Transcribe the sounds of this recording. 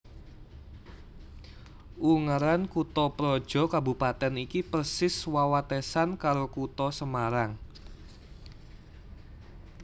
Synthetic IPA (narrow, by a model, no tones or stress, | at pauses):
ʔuŋaɾankut̪ɔpɾɔ̥ʒ̥ɔ̤kabupat̪ɛnikipərsɪswawat̪esankaɾokut̪ɔsəmaɾaŋ